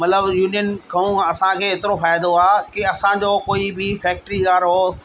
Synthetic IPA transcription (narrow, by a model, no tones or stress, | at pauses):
mɐt̪ləbjuːnijənkʰɐũɐsãkʰeːɦeːt̪ɪɾofaːɪd̪oaːkɪɐsãd͡ʑoːkoːibɪfɛːk̚ʈɾiɣaːɾɦoː